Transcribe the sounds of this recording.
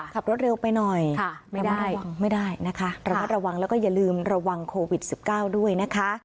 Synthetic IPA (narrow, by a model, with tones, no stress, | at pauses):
kʰa˨˩p̚ɾo˦˥t̪̚ɾe˧wpa˧jnɔ˨˩jɾa˧a˥ɾa˧wa˧ŋma˥˩jdaː˥˩jna˦˥kʰa˦˥ɾa˧maː˥˩t̪̚ɾa˧wa˧ŋlɛː˦˥wkɔː˥˩ja˨˩lɯː˧mɾa˧wa˧ŋkʰoː˧wi˨˩t̪̚si˨˩p̚kaː˥˩wdu˥˩əjna˦˥kʰa˦˥